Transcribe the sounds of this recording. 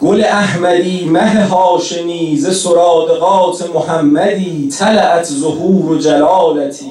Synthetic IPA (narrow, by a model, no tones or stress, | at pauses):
ɡ̥oleæhmæd̪iːmæɦeɦɒːʃeniːzesoɾɒːd̪eɣɒːt̪ʰemohæmːæd̪iːt̪ʰælæʔæt̪ʰzohuːɾod͡ʒælɒːlæt̪ʰiː